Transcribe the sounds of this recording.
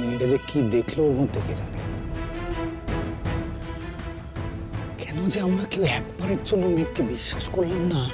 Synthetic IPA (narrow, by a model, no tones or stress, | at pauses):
nɖeɾekid̪ekʰlomõt̪eket̪ʰaɾe | kʰɛnod͡ʒeamɾakewɛkpaɾet͡ʃʰolomɛkkebiʃːaʃkoɾlenːa